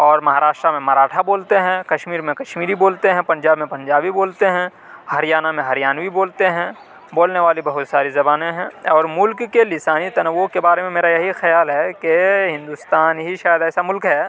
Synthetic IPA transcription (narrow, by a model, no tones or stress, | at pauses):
ɔːɾmɐɦaːɾaːʃʈɾamẽmɐɾaːʈʰaboːlt̪eɦɛ̃kɐʃmiːɾmẽkɐʃmiːɾiboːlt̪eɦɛ̃pɐ̃ɲd͡ʒaːbmẽpɐ̃ɲd͡ʒaːbiboːlt̪eɦɛ̃ | hɐɾijaːnamẽɦɐɾjaːnʋiboːlt̪eɦɛ̃ | boːlneʋaːlibɐɦʊt̪saːɾizɐbaːneɦɛ̃ɔːɾmʊlkːelɪsaːnit̪ɐnəʋokebaːɾemẽmeːɾajɐɦixɐjaːlɦɛkeɦɪ̃nd̪ʊst̪aːnɦiʃaːjəd̪ɛːsamʊlkɦɛː